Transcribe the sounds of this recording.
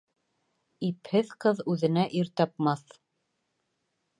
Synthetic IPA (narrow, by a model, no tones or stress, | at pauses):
iphɘðqɤðʉðɘ̆næʔiɾt̪ɑpmɑθ